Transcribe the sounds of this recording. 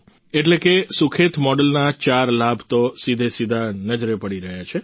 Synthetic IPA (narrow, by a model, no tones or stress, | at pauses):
eʈlekesukʰet̪mɔɖəlnat͡ʃaɾlabʱt̪osid̪ʱesid̪ʱanəd͡ʒɾepəɽiɾəɦjat͡ʃʰe